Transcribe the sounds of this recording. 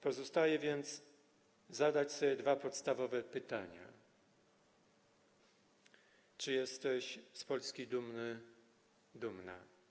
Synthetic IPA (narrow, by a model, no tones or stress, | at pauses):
pɔzɔst̪ajɛvʲjɛnt̪s | zad̪at͡ɕsɔbʲjɛd̪vapɔt̪st̪avɔvɛpɘt̪aɲa̰ | t͡ʂɘjɛst̪ɛɕspɔlskʲid̪umnɘ | d̪umna̰